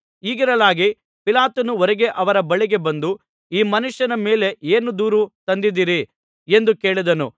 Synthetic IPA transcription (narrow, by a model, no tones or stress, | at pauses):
iːɡiɾɐlaːɡi | pilaːt̪ɐnuɔɾɛɡe̞ʔɐʋɐɾɐbɐɭiɡe̞bɐnd̪u | iːmɐnuʂjɐnɐme̞ːle̞ʔeːnud̪uːɾut̪ɐnd̪id̪iːɾi | e̞nd̪uke̞ːɭid̪ɐnṵ